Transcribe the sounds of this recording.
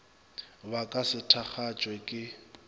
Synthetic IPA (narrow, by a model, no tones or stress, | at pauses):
bakʼasɪtʰaχat͡ʃʼwɛkʼɪ